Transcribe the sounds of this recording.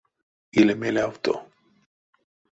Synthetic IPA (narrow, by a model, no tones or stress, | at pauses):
ilemelawt̪o̰